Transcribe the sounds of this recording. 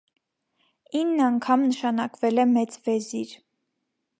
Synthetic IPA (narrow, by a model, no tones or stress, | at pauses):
inːɑŋkʰɑmnəʃɑnɑkvɛlɛmɛt͡svɛziɾ